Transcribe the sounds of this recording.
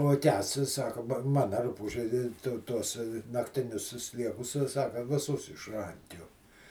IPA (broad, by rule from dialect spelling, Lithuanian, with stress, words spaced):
oː ˈkʲæːsts ɪ ˈsɑːkɐ bɐ ˈmɑːnɐ ˈrʊpuːʒʲɛ ˈtʊ ˈtuɔs nɐktʲɪˈnʲʊs sʲɪ ˈsʲlʲiɛkʊs sʲɪ ˈsɑːkɐ ʋʲɪˈsʊs ɪʃˈrɐŋʲkʲuɔ